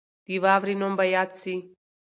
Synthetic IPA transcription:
d̪̥iʋavɾinombajat͡si

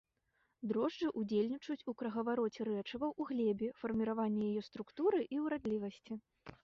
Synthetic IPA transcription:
d̪ɾɔʐd͡ʐɨʔud͡zʲelʲnʲit͡ʂujut͡sʲukɾɐɣɐvaɾɔt͡sʲɛɾɛt͡ʂɐvɐwuɣlʲɛbʲifɐrmʲiɾavanʲːɛjajɛst̪ɾukt̪uɾɨʔiwɾad̪lʲivɐsʲt͡sʲi

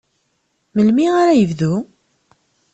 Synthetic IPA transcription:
məlmiaɾajəvðu

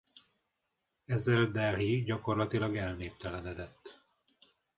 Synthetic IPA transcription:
ɛzːɛld̪ɛlɦiɟɒko̞rlɒt̪ilɒɡɛlneːp̚t̪ɛlɛnɛd̪ɛt̪ː

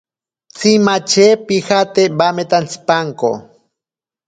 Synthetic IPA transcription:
t͡simat͡ʃepixat̪ebamet̪ant͡si̥paŋko̰

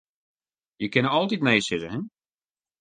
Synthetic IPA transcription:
jəkɪnəɔlˠtitneːsɪtəɦɛn

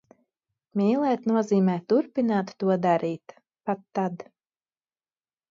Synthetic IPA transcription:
mʲiːlˠɛːt̪nuɔziːmɛːt̪uɾpinaːt̪ːuɔd̪aɾiːt̪ | pat̪ːad̪

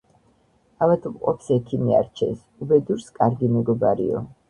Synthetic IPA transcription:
avat̪ʰmqʼɔpsɛkʰimia̰ɾt͡ʃʰɛ̰s | ubɛd̪uɾskʼaɾɡimɛɡɔbaɾḭɔ̰

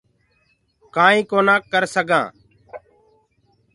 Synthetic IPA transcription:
kãːĩːkoːnaːkːəɾsəɡãː

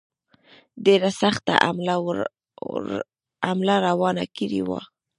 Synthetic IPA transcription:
ɖeɾasaxt̪a̰ʔl | amlaɾawɑna̰kiɾḭwa̰

